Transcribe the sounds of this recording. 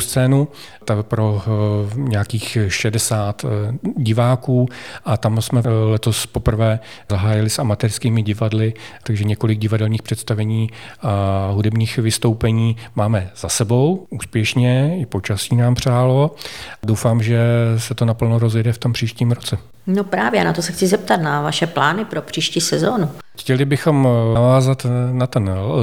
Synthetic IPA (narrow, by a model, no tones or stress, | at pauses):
st͡sɛːnu | t̪apɾo̞ | ɲɛakiːxʃɛdɛsaːt̪ɟɪvaːkuːʔat̪amsmɛlɛt̪o̞spo̞pr̩vɛː | zaɦaːjɪlɪsamat̪ɛɾskiːmɪɟɪvadlɪt̪aɡʒɛɲɛko̞lɪɡ̚ɟɪvadɛlɲiːxpr̥ɛt̪st̪avɛɲiːʔaɦudɛbɲiːxvɪst̪o̞wpɛɲiːmaːmɛz̥asɛbo̞wʔuːspjɛʃɲɛɪpot͡ʃasiːnaːmpr̝̥aːlo̞dowfaːmʒɛsɛt̪o̞napl̩noɾozjɛdɛft̪o̞mpr̝̥iːʃciːmɾot͡sɛ | nopɾaːvjɛanat̪osɛxt͡sɪzɛp̚t̪at̪navaʃɛplaːnɪpɾopr̝̥iːʃciːsɛzoːnu | xcɛlɪbɪxo̞mavaːzat̪nat̪ɛn